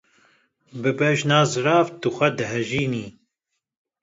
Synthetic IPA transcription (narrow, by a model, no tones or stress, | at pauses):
bɨbɛʒnaːzɨɾaːvt̪ɨxʷɛd̪ɨɦɛʒiːniː